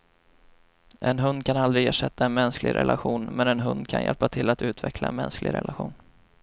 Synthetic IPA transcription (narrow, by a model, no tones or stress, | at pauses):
ʔɛnɦɵnd̪̚kʰanald̪ɾɪeːʂɛt̪ːaɛnmɛnsklɪ̰ɡɾʔɛ̰lʔaɧuːnmɛnɛnɦɵnd̪kʰanjʔɛ̰lpat̪ʰɪlːat̪ʉ̟ːt̪ʰvɛklaɛnmɛnsklɪɡɾɛ̰lʔaɧuːn